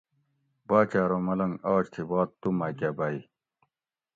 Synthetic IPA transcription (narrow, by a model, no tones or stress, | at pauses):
baːt͡ɕaːɾoːmɐlɐŋaːt͡ɕt̪ʰibaːt̪t̪ːumaːkʲabaːi